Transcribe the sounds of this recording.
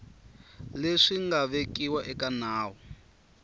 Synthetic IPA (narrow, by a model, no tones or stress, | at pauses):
leʂiŋɡaβekiwaʔɛkanaːɦɔ